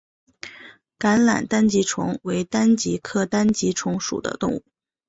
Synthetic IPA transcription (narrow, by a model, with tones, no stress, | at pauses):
ka˧˥nla̰˨˩nt̪a˥nt͡ɕi˧˥ʈ͡ʂʰʊ̰˧˥ŋwe˧˥ɪt̪a˥nt͡ɕi˧˥kʰɤ˥t̪a˥nt͡ɕi˧˥ʈ͡ʂʰʊ˧˥ŋʂṵ˨˩d̪ə̰˦t̪ʊ̰˥˧ŋṵ˥˩